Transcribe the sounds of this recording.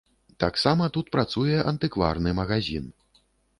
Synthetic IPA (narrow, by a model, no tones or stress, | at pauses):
t̪aksamɐt̪ut̪̚pɾat̪sujɛʔɐnt̪ɨkva̰rnɨmɐɣazʲḭn